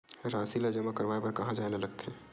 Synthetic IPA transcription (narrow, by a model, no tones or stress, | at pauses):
ɾaːsilad͡ʒəmakəɾʋaːepɐɾkɐɦãd͡ʒaːenalɐɡ̚t̪ʰe